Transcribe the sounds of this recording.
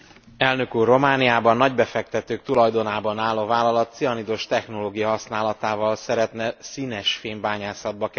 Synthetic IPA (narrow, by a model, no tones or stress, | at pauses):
ɛlnø̞kuːrːo̞maːnijaːbɒnːɒɟbɛfɛk̚t̪ɛt̪øːk̚t̪ulɒjd̪o̞naːbɒnaːlːoːvaːlːɒlɒt̪sijɒnid̪oʃt̪ɛxno̞loːɡijɒɦɒsnaːlɒt̪aːvɒlsɛɾɛt̪nɛsiːnɛʃfeːmbaːɲaːsɒd̪̚bɒkɛ